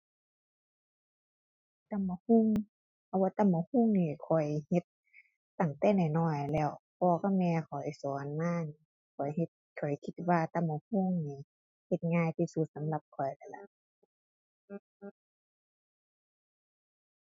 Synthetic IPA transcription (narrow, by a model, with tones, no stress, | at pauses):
t̪a˧˨mːa˧hu˧˥˨ŋʰ | a˧˩waː˧t̪a˧˨mːa˧˨hu˧˥˨ŋniː˧˩˨kʰɔ˨˩jhe˧˦t̪̚ː | a˨˩ŋt̪ɛː˧˩na˧˨˩jnɔː˧˩jlɛː˧˩wpʰɔː˧ka˧˩mɛː˧kʰa˨˩a˧˨˩jsɔː˨˦nmaː˧˥˨niː˧˨ | kʰɔ˨˩jhe˧t̪̚kʰɔ˨˩jkʰi˧˥t̪̚waː˧t̪a˧˩mːa˧˩hu˧˥˨ŋniː˧˩ | he˧t̪̚ŋaː˧˨jt̪ʰiː˧su˧˦t̪̚sa˨˦mla˧p̚kʰɔ˨˩jla˧˩la̰˧˩ | ʔ